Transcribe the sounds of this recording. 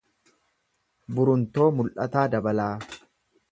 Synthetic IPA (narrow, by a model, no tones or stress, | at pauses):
bʊɾʊnt̪o̞ːmʊlʔɐt̪aːd̪ɐbɐlaː